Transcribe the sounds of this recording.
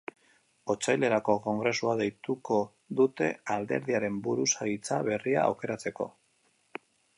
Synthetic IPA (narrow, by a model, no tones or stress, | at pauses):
o̞t͡sajle̞ɾako̞ko̞ŋɡɾe̞suaðe̞jt̪uko̞ | ðut̪e̞̰ald̪e̞̰ɾðiaɾe̞mbuɾusaɣit͡saβe̞ria̰ːwke̞ɾat͡se̞ko̞̰